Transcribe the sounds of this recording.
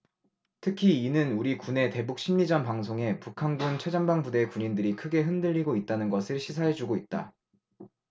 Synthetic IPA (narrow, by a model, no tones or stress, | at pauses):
tʰɯkʰiinɯnuɾikune̞te̞buk̚ɕ͈ʰimɲid͡ʑʌnpaŋsʰoŋe̞pukʰanɡunt͡ɕʰed͡ʑaŋbaŋbude̞kuɲindɯɾikʰɯɡe̞ɦɯndɯʎːiɡoit̚t͈anɯnɡʌsʰɯɭɕʰisʰaɦe̞d͡ʑuɡoit̚t͈a̰